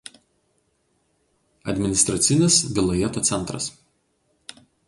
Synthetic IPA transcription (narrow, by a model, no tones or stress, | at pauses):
ɐd̪ʲmʲɪnʲɪst̪ɾɐt̪sʲɪnʲɪsɡɐlˠɐjɛt̪oːt̪sʲɛnˑt̪ɾɐ̰s